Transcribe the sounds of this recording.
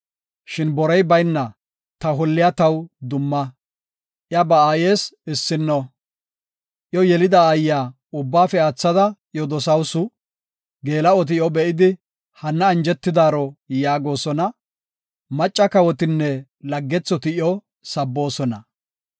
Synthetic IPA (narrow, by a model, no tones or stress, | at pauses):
ʃɪnbɔɾɛjbɐjnːɐ | t̪ɐɦɔlːɪjat̪ɐwd̪ʊmːɐ | ʔjɐbɐaːjeːsɪsːɪnːɔ | ʔjɔjɛlɪd̪ɐːjːaː | ʊbːaːfɛat͡sːɐd̪ɐ | jɔd̪ɔsɐwsʊ | ɡe̞ːlɐɔt̪̬ɪjɔbɛʔɪd̪ɪ | hɐnːɐːnd͡ʒɛt̪ːɪd̪aːɾɔjaːɡo̞ːsɔnɐ | mɐt͡ʃʼːɐkɐwɔt̪ɪnːɛlɐɡːɛt͡sːɔt̪ɪjɔ | sɐbːo̞ːsɔnɐ